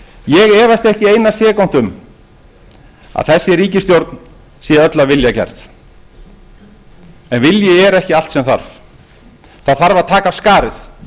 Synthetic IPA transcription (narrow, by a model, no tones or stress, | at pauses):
jɛɣɛːvast̪ɛhcɪejnːasjɛːkawn̥t̪ʏm | a̰ðθɛsːɪɾiːcɪst̪jowɾt̪n | siːaœt̪lavɪljacɛ̰ɾθ | ɛnvɪljɪɛɾɛhcɪal̥t̪sɛmθa̰ɾ̥v | θaðθaɾvaðt̪ʰaːkavskaːɾɪθ